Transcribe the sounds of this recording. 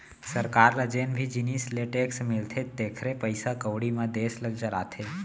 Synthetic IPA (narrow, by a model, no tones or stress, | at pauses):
səɾkaɾlad͡ʒenbʱid͡ʒinisleʈeksmɪlt̪ʰed̪ekʰɾepəjsakəʋɽimãd̪esləɡd͡ʒəɾat̪ʰe